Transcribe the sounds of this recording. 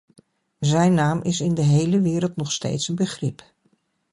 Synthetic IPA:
zɛjnaːmʔɪsɪndəɦejləʋɪːɾəlˠtnɔχstḛjtsənbəχrɪp

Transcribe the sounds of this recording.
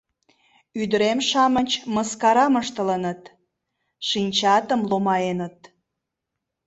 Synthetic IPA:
yd̪əɾemʃɑmənʲt͡ɕməskɑɾɑməʃt̪ələnət̪ | ʃinʲt͡ɕɑt̪əmlomɑenət̪

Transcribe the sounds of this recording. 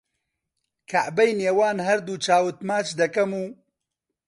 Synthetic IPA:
kʰaʔbɛjneːwaːnɦɐɾd̪uːt͡ʃʰaːwɨt̪maːt͡ʃd̪ɐkɐmuː

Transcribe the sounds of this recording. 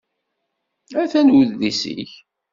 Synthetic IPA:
æθænwəððisḭç

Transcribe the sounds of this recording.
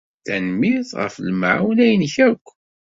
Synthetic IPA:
θænmiðʁə̰flm̰ʕwnæjənçækʷː

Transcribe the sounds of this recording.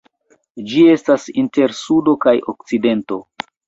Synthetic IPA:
d͡ʒie̞stasinte̞ɾsudo̞kajo̰kt͡side̞nto̞

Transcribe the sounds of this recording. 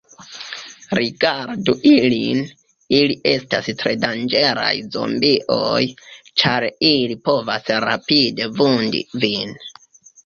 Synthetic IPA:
ɾiɡaɾduʔilin | iliʔe̞stastɾe̞dand͡ʒe̞ɾa̰jzo̞̰mbiʔo̰jt͡ʃaɾilipo̞vasɾa̰pide̞vundḭvin

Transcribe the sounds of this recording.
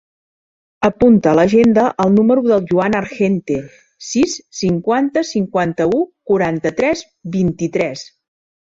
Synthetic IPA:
əpunt̪ələʒend̪əʔəlˠnuməɾuðəlˠʒuanəɾʃent̪e | sisːiŋkwant̪əsiŋkwant̪əukuɾant̪ət̪ɾɛz | bint̪it̪ɾɛs

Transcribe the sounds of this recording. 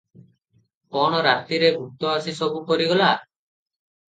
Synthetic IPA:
kɔɽ̃ɔɾat̪iɾeɡʱuk̚t̪ɔasisɔbukɔɾiɡɔla

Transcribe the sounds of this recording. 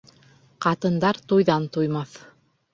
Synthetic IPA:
qɑt̪ɤ̆nd̪ɑɾt̪ujðɑnt̪ujmɑθ

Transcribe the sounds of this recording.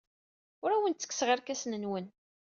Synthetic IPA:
ʊɾæwənt̪t͡sːə̥kːsʁaɾkæsnənwən

